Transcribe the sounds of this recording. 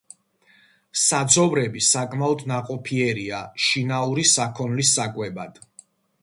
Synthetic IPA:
sad̪zɔvɾɛbisakʼmaɔd̪naqʼɔpʰiɛɾiaʃinauɾisakʰɔnlisːakʼwɛbad̪̥

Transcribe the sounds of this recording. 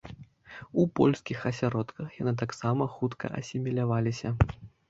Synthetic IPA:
upɔlʲskʲixɐsʲaɾɔt̪kɐxjanɨt̪aksamɐxut̪kɐ̰ʔɐ̰sʲimʲilʲavalʲisʲɐ

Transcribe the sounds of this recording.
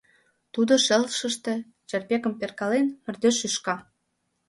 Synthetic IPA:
t̪ud̪oʃĕlʃə̆ʃt̪ĕ | t͡ɕerpʲekə̆mperkɑlenmɘ̆rd̪øʃyʃkɑ

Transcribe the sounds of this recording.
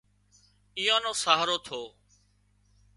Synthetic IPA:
ijõːnõːsaːɦɾoːt̪ʰoː

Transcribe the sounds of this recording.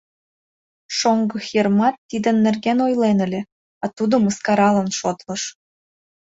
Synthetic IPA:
ʃoŋɡə̆xjermɑt̪ːid̪ə̆nːerɣenojlenə̆lʲe | ɑt̪ud̪ŏməskɑɾɑlənʃot̪lɤ̆ʃ

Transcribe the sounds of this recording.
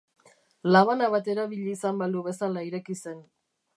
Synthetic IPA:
laβanaβat̪e̞ɾaβiʎːsambald̪uβe̞salaiɾekise̞n

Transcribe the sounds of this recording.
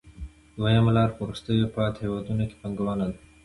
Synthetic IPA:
d̪wajamalɑɾpəuɾust̪əjopɑt̪hewɑd̪unoke̥paŋɡawɑnad̪a

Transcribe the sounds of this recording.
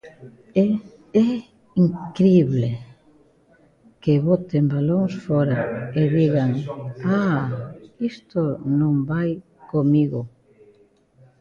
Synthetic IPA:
ɛ | iŋkɾiβle | keβot̪embaloŋsfoɾaeðiɣaŋa | ist̪onõmbaj | komiɣo

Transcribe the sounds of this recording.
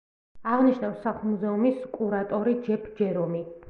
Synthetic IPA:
aʁniʃnafsaχulˠmuzɛumiskʼuɾat̪ʼɔɾid͡ʒɛpʰd͡ʒɛɾɔmi

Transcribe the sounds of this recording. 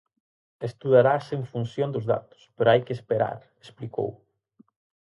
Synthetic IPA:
est̪uðaɾaseɱfunsjond̪ʊzða̰t̪ʊ̥speɾoajkɪespeɾa̰ɾ | espliko̰w

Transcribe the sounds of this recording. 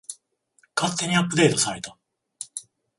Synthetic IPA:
kat̪ːe̞ɲ̟iapːɯ̟d̪e̞ːt̪o̞saɾe̞t̪a

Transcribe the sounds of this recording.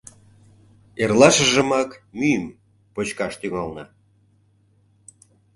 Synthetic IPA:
erlɑʃəʒə̆mɑkmyjəm | pot͡ɕkɑʃt̪yŋɑlnɑ

